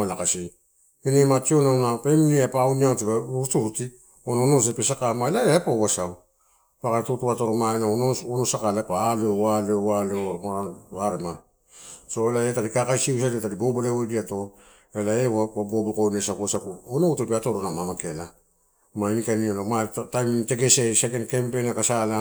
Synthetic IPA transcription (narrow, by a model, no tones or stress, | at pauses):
alakasi | enemat͡ʃionanapemniapauniatipautuɾuti | onaonos̬epesakamaelaeapaoβasaw | pakaɾatotuβatoɾomaenaonoonosakalepalewalewaleomaaβaɾema | so̞elaetaɾikakajsius̬adiataɾibobolewodiato̞ | elaewaabobokonesakuasakuonoutepeatoɾonamamakela | mainikanialomatajmte̞ɡe̞sesekenkempenakasala